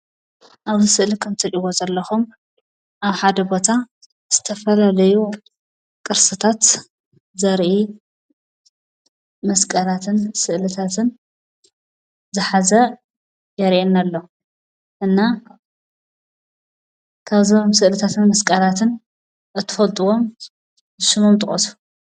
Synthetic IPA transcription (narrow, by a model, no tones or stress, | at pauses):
ʔaβzisɨʔlikʰɐmt̪ʰɐt͡ʃʼɪwozɐlːɐxum | ʔaβħad̪ɐbo̞t̪ʰa | z̥ɨt̪ʰɐfɐlalɐju | kʼɨɾsɨt̪ʰat̪ | zɐɾʔi | mɐskʼɐlat̪ʰɨnsɨʔlɨt̪ʰat̪ʰɨn | zɨħazɐ | jɐɾʔenalːo | ʔɨnːa | kʰaβzomsɨʔlɨt̪ʰat̪ʰɨnmɐskʼɐlat̪ʰɨn | ʔɨt̪ʰːɨfɐlt̪ʼuwom | zɨʃɨmumt̪ʼɨχʼɐsu̥